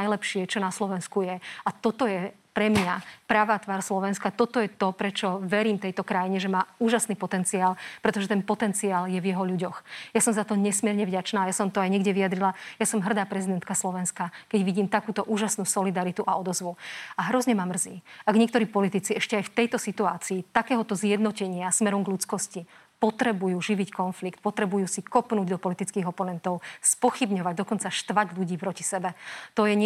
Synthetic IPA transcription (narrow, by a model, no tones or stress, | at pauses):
ajlɛpʃɪɛt͡ʃɔnaslɔʋɛnskujɛat̪ɔt̪ɔjɛ | pɾɛmɲapɾaʋaːt̪ʋaːɾslɔʋɛnskat̪ɔt̪ɔjɛt̪ɔpɾɛt͡ʃɔʋɛɾiːmt̪ɛjt̪ɔkɾajiɲɛʒɛmaːuːʒasniːpɔt̪ɛnt͡siaːlˠpɾɛt̪ɔʒɛt̪ɛnpɔt̪ɛnt͡siaːljɛvjɛɦɔʎuɟɔxjasɔmzat̪ɔɲɛsmɪɛɾɲɛvɟat͡ʃnaːjasɔmt̪ɔajɲɛɡɟɛʋiad̪ɾilajasɔmɦr̩d̪aːpɾɛzid̪ɛnt̪kaslɔʋɛnskakɛɟʋiɟiːmt̪akuːt̪ɔʔuːʒasnuːsɔlid̪aɾit̪uʔaɔd̪ɔzʋuaɦɾɔzɲɛmamːr̩ziːaɡɲɪɛkt̪ɔɾiːpɔlit̪it͡siɛʃcɛajft̪ɛjt̪ɔsit̪uaːt͡siːt̪akɛːɦɔt̪ɔzjɛd̪nɔcɛɲɪasmɛɾɔmɡʎut͡skɔsci | pɔt̪ɾɛbujuːʒiʋickɔnflikt̪̚pɔt̪ɾɛbujuːsikɔpnuːɟd̪ɔpɔlit̪it͡skiːɣɔpɔnɛnt̪ɔʊspɔxibɲɔʋaɟ̚d̪ɔkɔnt͡saʃt̪ʋaɟʎuɟiːpɾɔci̥sɛbɛt̪ɔjɛɲ